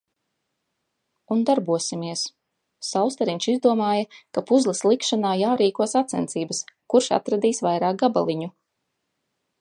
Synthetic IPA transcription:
und̪aɾbuɔsimiɛs | sawst̪aɾiɲʲt͡ʃizd̪uɔmaːjɐkapuzlˠɐslˠikʃanaːjaːɾiːkuɔsat̪sɛ̰nt̪iːbɐskuɾʃa̰t̪ɾad̪iːsvajɾaːk̚ɡaba̰lˠiɲu

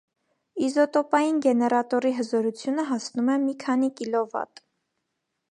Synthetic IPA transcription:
izɔt̪ɔpɑjinɡɛnɛɾɑt̪ɔɾiɦəzɔɾut͡sʰjunəɦɑsnumɛmikʰɑn̪ikilɔvɑ̰t̪

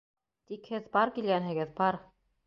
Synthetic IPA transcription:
t̪ikhɘðbɑɾkilɡænɦɘ̆ɡɘðbɑɾ

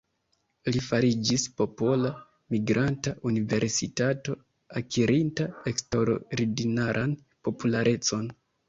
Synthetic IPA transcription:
lifaɾid͡ʒispo̞po̞la | miɡɾʔantaʔunive̞ɾsitato̞ | akʰiɾintae̞kstoɾoɾidinaɾʔan | po̞pulaɾʔe̞t͡so̞n

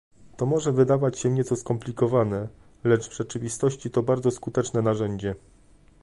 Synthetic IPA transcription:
t̪ɔmɔʐɛvɘd̪avat͡ɕɕɛɲɛt̪sɔskɔmplʲikɔvanɛ | lɛt͡ʂvʐ̥ɛt͡ʂɘvʲist̪ɔɕt͡ɕit̪ɔbaɾd̪zɔskut̪ɛt͡ʂnɛnaʐɛɲd͡ʑɛ

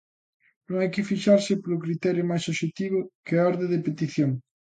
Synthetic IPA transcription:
nõŋajkɪfiʃaɾsɪpoɾokɾit̪ɛɾjʊmajsoʃet̪iβ̞ʊkeaɔɾðẽðepet̪iθjoŋ

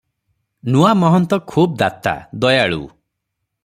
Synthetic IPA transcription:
nuamɔɦɔnt̪ɔkʰuːb̚d̪at̪a̰d̪ɔjaɭṵ

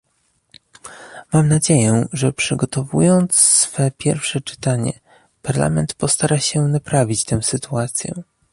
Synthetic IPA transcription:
mamnad͡ʑejɛʐɛpʂɘɡɔt̪ɔvṵjɔnt̪ssfɛpʲjɛɾfʂɛt͡ʂɘ̥t̪aɲɛ̰ | paɾla̰mɛnt̪pɔst̪aɾaɕɛnapɾavʲit͡ɕt̪ɛw̃sɘt̪uat̪sʲjɛ̰

